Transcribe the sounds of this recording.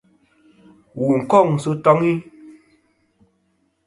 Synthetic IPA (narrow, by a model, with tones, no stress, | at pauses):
wu˨ŋ̩˨kɔ˦˨ŋ̩˨su˨˦tɔ˦ŋi˦